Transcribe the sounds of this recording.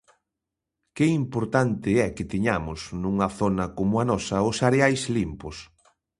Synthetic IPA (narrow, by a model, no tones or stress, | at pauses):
kɪimpoɾt̪ant̪ɪɛkɪt̪iɲamʊsnũŋɐθonɐkomʊanɔsɐʊsaɾeajslimpʊs